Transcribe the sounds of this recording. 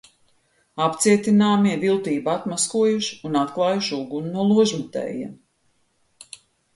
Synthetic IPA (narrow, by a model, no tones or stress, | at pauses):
apt̪siɛt̪inaːmiɛvilˠt̪iːbat̪maskuɔjuʃi̥unat̪klˠɑːjuʃuɡunnːuɔlˠuɔʒmut̪ɛ̰ːjḭɛm